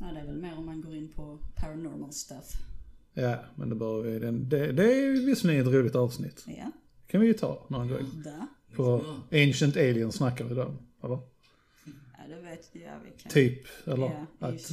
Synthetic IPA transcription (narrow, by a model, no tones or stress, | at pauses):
d̪ɛɛvɛlmeːɾɔmːanɡoːɾɪnːpʰɔpʰaɾanɔɾmalst̪afjaːmɛ̰nd̪ɛbœːɾjavɪd̪ɛnd̪ɛd̪ɛvɪsːmɛət̪ɾuːlɪɡ̚t̪ɑːvsnɪ̰t̪ː | kʰanvɪjət̪ʰɑ̰ːnonɡɔ̰ɾɪ̰ŋ | pʰɔeɪnʃənt̪eɪlɪənsnakːaɾvɪd̪ɛɔ̰m | ɛlːə | t̪ʰyːpɛlːəɾat̪